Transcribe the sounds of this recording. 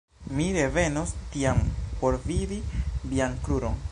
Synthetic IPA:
miɾe̞ve̞nostiampo̞ɾvidiliankɾuɾo̞n

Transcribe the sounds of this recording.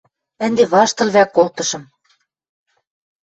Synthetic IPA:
æ̆nd̪eβɑʃt̪ɤ̆lβækːolt̪ɤ̆ʃɤ̆m

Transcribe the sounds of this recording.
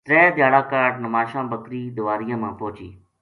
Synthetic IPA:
t̪ɾɛːd̪jaːɽaːkaːɖnəmaːʃãːbəkɾiːd̪ʊʋaːɾɪjãːmãːpoːt͡ʃḭː

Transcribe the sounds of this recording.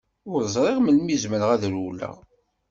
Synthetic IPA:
ʊɾzˤɾˤeʁməlmizməɾʁæðɾulːæ̰

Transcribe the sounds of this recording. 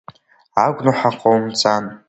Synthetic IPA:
aɡʷnuħaqʼowmt͡sʼan

